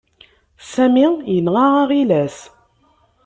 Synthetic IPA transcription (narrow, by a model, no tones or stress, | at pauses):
sæmijənʁaʁaʁilæs